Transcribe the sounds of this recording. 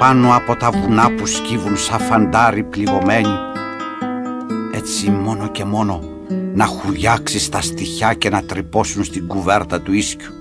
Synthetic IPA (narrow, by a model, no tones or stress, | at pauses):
pɐnoɐpo̞t̪ɐvunɐpuscivunsɐfɐnd̪ɐɾipliɣo̞me̞ɲi | et͡simo̞noce̞mo̞no̞ | nɐxuʝɐksist̪ɐst̪içɐce̞nɐt̪ɾipo̞sunst̪iŋɡuve̞ɾt̪ɐt̪uiscu̥